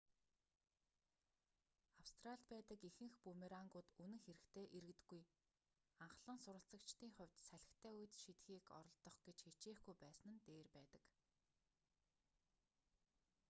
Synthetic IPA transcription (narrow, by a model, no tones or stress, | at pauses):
awst̪raɬt̪̚pæːt̪ə̆kixɘ̆ŋxpumeɾaŋɡʊːt̪unɘ̆ŋxeɾɘ̆xt̪ʰeːʔeɾɘ̆kt̪ɘ̆ɡːuj | aɴχɮə̆nsʊɾə̆ɬt͡sə̆kt͡ɕt̪iːŋχʊ̟wʲt̪sæɮʲɪ̆xt̪ʰæːuj̆t̪ʃit̪xiːkɔ̰ɾɞ̆ɮt̪ɞ̆χɡ̥et͡ɕxet͡ɕeːxɡujpæːsnɘ̆nt̪eːrpæːt̪ə̥̆k